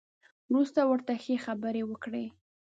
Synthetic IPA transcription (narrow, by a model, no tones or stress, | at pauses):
wɾust̪awəɾt̪axexabəɾewəkɽe